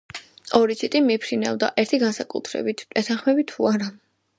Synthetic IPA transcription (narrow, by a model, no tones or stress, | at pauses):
ɔɾitt͡ʃ̪ʰit̪ʼimipʰɾina̰vd̪a̰ʔɛɾt̪ʰiɡansakʼṵt̪ʰɾɛ̰bit̪ʰɛt̪ʰanχmɛbit̪ʰːuaɾa